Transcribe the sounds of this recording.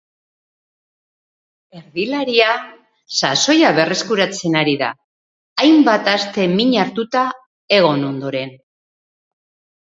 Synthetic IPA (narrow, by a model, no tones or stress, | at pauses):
e̞ɾðilaɾia | saso̞jaβe̞re̞skuɾat͡se̞naɾiða̰ː | jmbat̪ast̪e̞miɲaɾt̪ut̪a | e̞ɣ̞o̞no̞nd̪o̞ɾe̞n